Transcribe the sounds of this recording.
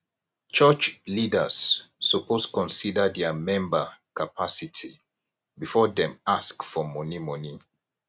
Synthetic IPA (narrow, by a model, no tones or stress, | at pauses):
t͡ʃət͡ʃlidəsːɔposkɔ̃nsidədɛəmɛ̃mbəkapʰasitʰi | bifɔdɛ̃maskfɔmɔnimɔni